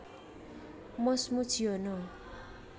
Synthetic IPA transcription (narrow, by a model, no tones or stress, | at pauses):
mʌsmut͡sʰiɦono